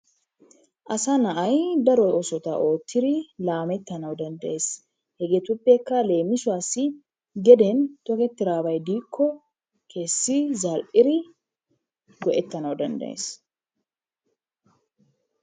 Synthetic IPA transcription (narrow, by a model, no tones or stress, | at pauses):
ʔɐsɐnɐʔɐjd̪ɐɾɔɔsɔt̪a̰ʔo̞ːt̪ʰːɪɾilaːmɛt̪ːɐnɐwd̪ɐnd̪ɐʔe̞ːs | hɛɡet̪ʊpʼːekːale̞ːmɪsʊaːsɪ | ɡɛd̪eːnt̪ɔkɛt̪ːɪɾaːbɐjd̪iːkʰːɔ | kʰe̞ːsːizaːlʔɪɾɪ | ɡɔʔɛt̪ːɐnɐwd̪ɐnd̪ɐ̰ʔḛːs